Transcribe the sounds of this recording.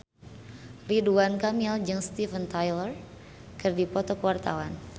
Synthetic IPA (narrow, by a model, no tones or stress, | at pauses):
riduankamild͡ʒɨŋst̪ivənt̪ajlər | kɨrdipɔt̪ɔkəwart̪a̰wan